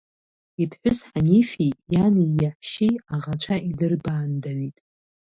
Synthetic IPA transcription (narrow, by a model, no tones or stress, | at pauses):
ipʰħʷʊsħanifijanijaħʷʃiaʁat͡ʃʷʰaʔidɨrbaːndanitʼ